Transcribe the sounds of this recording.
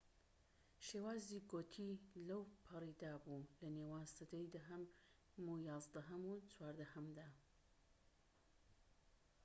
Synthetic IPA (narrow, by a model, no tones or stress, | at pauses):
ʃeːwaːziɡoːt̪ʰilɐwpʰɐrid̪aːbulɐnewaːnsɐd̪ɐjd̪ɐɦɐm | mujaːzd̪ɐɦɐmut͡swaːɾd̪ɐhɐmd̪aː